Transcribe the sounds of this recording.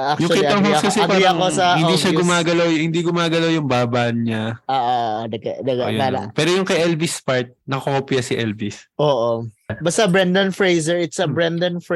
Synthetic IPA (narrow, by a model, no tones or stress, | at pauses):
ak̚jʊŋkiːɐɦokɐsɛɐpaːjɾɐŋkosɐhɪnd̪iːʃaɡʊmaːɡɐlawhɪnd̪iɡʊmaːɡɐlawjʊŋbaːbaʔnɲaʔoːʔoʔd̪ɐɡɐd̪ɐɡa̰jo̰pɛːɾojʊŋkɐjʔɛlbɪspaɹt̪̚nɐkoʔoːpɪjɐsɪʔɛlvɪsʔoːʔobɐst̪abɹɛnd̪ɐnfɹejzɛɹɪt̪sɐbɹɛnd̪ɐnf